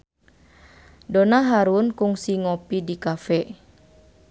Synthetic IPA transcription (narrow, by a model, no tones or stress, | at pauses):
donaɦaɾunkuŋsiŋɔpidikafɛ